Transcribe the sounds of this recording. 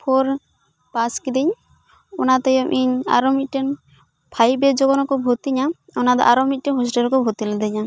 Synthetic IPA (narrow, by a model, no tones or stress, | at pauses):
pʰɔɾ | paskid̪iɲ | ɔnat̪ɛjɔmʔiɲa̰ɾɔmit̪̚ʈɛn | pʰajbɛd͡ʒɔɡɔnɔkɔbʱut̪iɲa | ɔnad̪ɔ̰ʔaɾɔmit̪̚ʈɛnɦɔsʈɛlkɔbʱut̪ilɛd̪ɛɲa